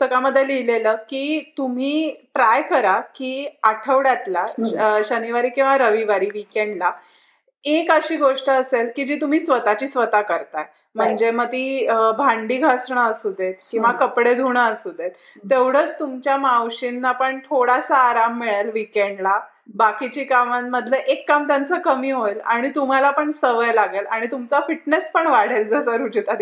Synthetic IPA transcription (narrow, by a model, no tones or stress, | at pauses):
t̪əkaməd̪ʱːjelileləkiːt̪um̤iːʈɾajkəɾakiːaʈʰəʋɽjat̪laɕəniʋaɾiːkĩw̃ʋaɾəʋiʋaɾiːʋikeɳɖla | ekəɕiːɡoʂʈəːselkid͡ʑiːt̪um̤iːsʋət̪at͡ɕiːsʋət̪akəɾt̪aj | m̤əɳd͡zemət̪iːbʱãɳɖiːɡʱasɳaəsud̪et̪kĩw̃ʋakəpɽed̪ʱuɽ̃aəsud̪et̪ | t̪ːeʋɽ̤ət͡st̪umt͡ɕjamawɕinːapəɳt̪ʰoɽasaːɾamːeɭəlʋikeɳɖla | bakit͡ɕiːkamaːəd̪ʱleʔekːamt̪jant͡səkəmiːɦoelaɽ̃it̪um̤alapəɳsəʋəjlaɡelaɽ̃it̪umt͡safiʈnespəɳʋaɽ̤eɾd͡zəsəɾud͡ʑut̪at̪